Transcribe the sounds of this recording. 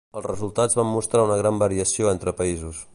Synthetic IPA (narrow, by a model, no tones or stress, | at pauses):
əlˠzrəzulˠt̪ad͡zβamːust̪ɾaunəɣɾambəɾiəsioent̪ɾəpəizus